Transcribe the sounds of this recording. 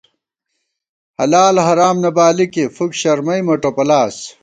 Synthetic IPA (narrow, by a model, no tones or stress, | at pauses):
hɐlaːlhɐɾaːmnɐbaːlikefukɕɐɾmɐjmɐʈopɐlaːs